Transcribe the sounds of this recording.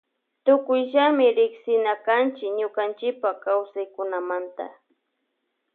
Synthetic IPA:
t̪ʊkʊjʒamɪɾɪksɪnakant͡ʃɪkɲʊkant͡ʃɪpakawsajkʊnamant̪a̰

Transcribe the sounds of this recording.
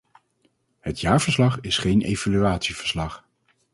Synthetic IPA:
hətjaːɹv̥əɹslɑχɪsχejnʔejvalyaːtsiv̥əɹslɑχ

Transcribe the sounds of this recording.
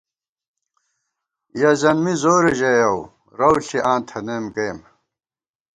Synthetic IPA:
jɐzɐnmizoːɾeʑejɐw | ɾɐwɬiʔãːnt̪ʰɐneːmkeːm

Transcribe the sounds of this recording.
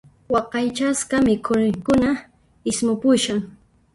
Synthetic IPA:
wɑqɑjt͡ʃaskɑmɪkʰʊnɪŋkʊna | ɪsmʊpʊʃaŋ

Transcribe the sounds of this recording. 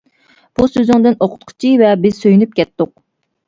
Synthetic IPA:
b̥usøzyŋd̪ɪnoqʰʊ̥t̪̚qʰʊ̥t͡ʃʰivɛbɪz̥søjynyp̚kʲʰɛt̪ːʊq̚

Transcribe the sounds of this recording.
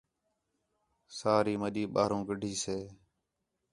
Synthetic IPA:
saːɾiːməɗiːɓaːɾõːɡəɖʱiːseː

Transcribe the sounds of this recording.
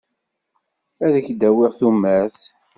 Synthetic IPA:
æðəçd̪æwɪʁθumːæθ

